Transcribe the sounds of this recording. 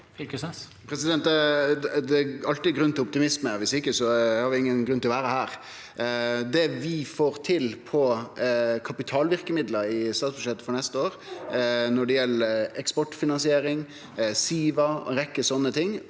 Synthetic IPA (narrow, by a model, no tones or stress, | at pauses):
k | pʰɾɛsɪd̪ɛnt̪ | d̪ɛɑlt̪ɪɡɾʉnːt̪ɪlɔp̚t̪ɪmɪsməʋɪsɪkːəsɔhɑɾʋɪɪŋːənɡɾʉnt̪ɪɔʋæːɾəhæːɾ | d̪ɛʋɪfoːɾt̪ʰɪlpʰɔ | kʰɑpɪt̪ʰɑːlʋɪɾkəmɪd̪ləɾɪst̪ɑːt̪sbʉʂɛt̪ːə̥fɔɾnɛst̪əoːɾ | nɔɖɛjɛlːəɛkspɔʈːfɪnɑnsɪeːɾɪŋ | siːʋɑ̰ɾɛkːəsɔnːət̪ʰɪŋː